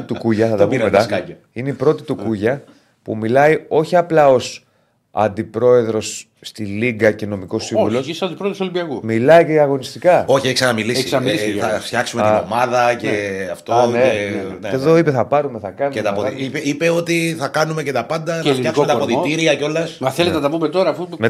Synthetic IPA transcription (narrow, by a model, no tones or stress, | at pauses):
it̪ukuʝɐθɐt̪ɐpumet̪ɐɐɐ | ineipɾo̞t̪it̪ukuʝɐ | pṵmilɐio̞çiɐplɐo̞s | ɐ̰nd̪ipɾo̞e̞ðɾo̞sː | t̪iliɡɐce̞no̞miko̞ssːĩvulossɐnd̪ipɾoðɾosolimbiɐkumilɐiceiɐɣo̞nist̪ikɐo̞çieçksɐnɐmilisisɐmiisɐft̪çɐksumet̪omɐðɐceɐft̪oneeðo̞ipe̞θɐpɐɾume̞θɐkɐnuet̪ɐpoipeipe̞o̞t̪iθɐkɐnumecet̪ɐpɐnd̪ɐɐfɐksmet̪poðit̪iɾiɐceo̞lɐsmɐθelet̪enɐt̪ɐpumet̪o̞ɾɐːfume